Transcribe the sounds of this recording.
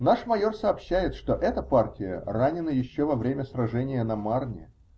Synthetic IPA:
naʂmɐjo̞rsəːpɕːæjɪt̪ʂt̪o̞ʔɛt̪əpartʲɪjə̰ranʲɪnəjɪɕːovɐvɾʲemʲəsrɐʐɛnʲɪjənɐmarnʲɪ̰

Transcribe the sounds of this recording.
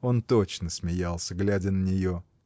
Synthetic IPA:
o̞nt̪ot͡ɕnəsmʲɪjalˠsʲəɡlʲædʲənənʲɪjo̞

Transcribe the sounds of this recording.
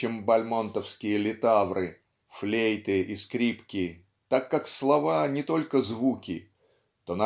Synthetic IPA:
embɐlʲmont̪əfskʲɪjəlʲɪt̪avɾɨ | flʲejt̪ɨʔiskɾʲipkʲɪ | t̪akːakslˠɐvanʲɪt̪o̞lʲkəzvukʲɪ | t̪ona

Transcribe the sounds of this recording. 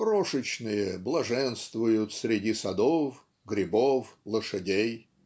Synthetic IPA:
kɾoʂɨt͡ɕnɨjəblˠɐʐɛnst̪vʊjʊt̪sɾʲɪdʲisɐd̪of | ɡɾʲɪboflˠəʂɐdʲej

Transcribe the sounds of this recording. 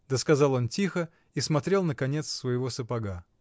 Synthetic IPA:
d̪əskɐzɑlˠo̞ntʲixə | ismɐt̪ɾʲe̞lˠnəkɐnʲe̞t̪ssvəjɪvo̞səpɐɡa

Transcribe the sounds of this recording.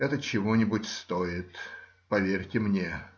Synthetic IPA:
ɛt̪ət͡ɕɪvonʲɪbʊtʲst̪oɪt̪ | pɐvʲerʲtʲɪmnʲe

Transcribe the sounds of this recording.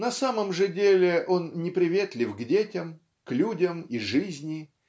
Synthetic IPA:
nɐsaməmʐɨdʲelʲɪʔo̞nnʲɪpɾʲɪvʲet̪lʲɪfɡdʲetʲɪm | klʲudʲəmiʐɨzʲnʲɪ

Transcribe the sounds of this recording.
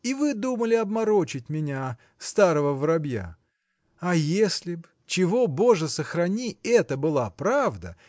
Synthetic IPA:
ivɨd̪uməlʲɪɐbmɐɾo̞t͡ɕɪt̚ʲmʲɪnʲa | st̪aɾəvəvɾɐbja̰ | ajesʲlʲɪb | t͡ɕɪvobo̞ʐəsəxɾɐnʲiɛt̪əbɨlˠapɾavd̪ə̰

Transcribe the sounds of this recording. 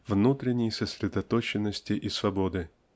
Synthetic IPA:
vnut̪ɾʲɪnʲːɪjsəsʲɾʲɪd̪ɐt̪ot͡ɕɪnːəsʲtʲɪʔɪsvɐbo̞d̪ɨ

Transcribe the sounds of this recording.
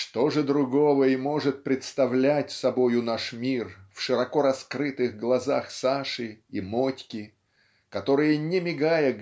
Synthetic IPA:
ʂt̪o̞ʐɨd̪ɾʊɡo̞vəimo̞ʐɨt̪̚pɾʲɪt̪st̪ɐvlʲætʲsɐbo̞jʊnaʂmʲirfʂɨɾɐko̞ɾɐskɾɨt̪ɨɣɡlˠɐzaxsaʂɨimo̞tʲkʲɪ | kɐt̪o̞ɾɨjənʲɪmʲɪɡajə

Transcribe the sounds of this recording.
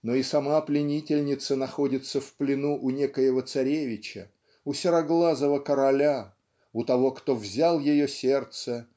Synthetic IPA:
noisɐmaplʲɪnʲitʲɪlʲnʲɪt̪sənɐxo̞dʲɪt̪səfplʲɪnuʔʊnʲekəjəvət̪sɐɾʲevʲɪt͡ɕɪ | ʊsʲɪɾɐɡlˠazəvəkəɾɐlʲa | ʊt̪ɐvo̞kt̪o̞vzʲalˠjɪjosʲe̞rt̪sə

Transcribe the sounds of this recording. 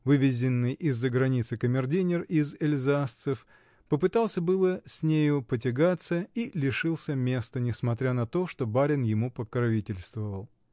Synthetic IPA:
vɨvʲɪzʲɪnːɨjʔɪzːəɡɾɐnʲit̪sɨkəmʲɪrdʲinʲɪrɪzɪlʲzast̪sɨf | pəpɨt̪alˠsʲəbɨlˠəsʲnʲejʊpət̬ʲɪɡat̪səilʲɪʂɨlˠsʲəmʲe̞st̪ənʲɪsmɐt̪ɾʲanɐt̪o̞ʂt̪o̞baɾʲɪnjɪmupəkɾɐvʲitʲɪlʲst̪vəvəlˠ

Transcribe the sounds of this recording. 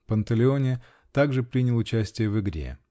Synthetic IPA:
pənt̪əlʲɪo̞nʲɪ | t̪aɡʐɨpɾʲinʲɪlˠʊt͡ɕæsʲtʲɪjəvɨɡɾʲḛ

